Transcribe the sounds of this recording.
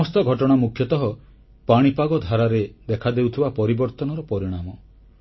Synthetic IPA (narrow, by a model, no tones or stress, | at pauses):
ɔst̪ɔɡʱɔʈɔɽ̃amukʰjɔt̪ɔɦɔ | paɽ̃ipaɡɔd̪ʱaɾaɾed̪ekʰad̪ewt̪ʰibapɔɾibɔɾt̪ɔnɔɾɔpɔɾiɽ̃amɔ